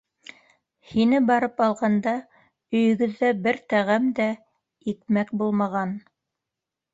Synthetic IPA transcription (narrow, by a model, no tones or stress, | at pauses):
hinɘbɑɾɤpɑlˠʁɑnd̪ɑ | ɵ̆jɵ̆ɡɵ̆ðːæbɘɾt̪æʁæmd̪æ | ik̚mæk̚bulˠmɑʁɑn